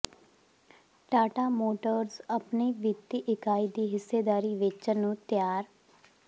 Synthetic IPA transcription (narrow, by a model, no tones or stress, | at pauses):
ʈaːʈaːmoːʈəɾzəpniːʋit̪iːʔɪkaːiːd̪iːɦɪsːeːd̪aːɾiːʋɪt͡ʃənũːt̪ɪjaːɾ